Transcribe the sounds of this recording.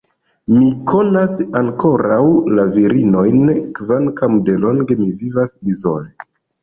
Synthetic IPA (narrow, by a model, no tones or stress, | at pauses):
mikʰo̞nasaŋko̞ɾawlaviɾino̞jnkvankamde̞lo̞ŋɡe̞mivivasdizo̰le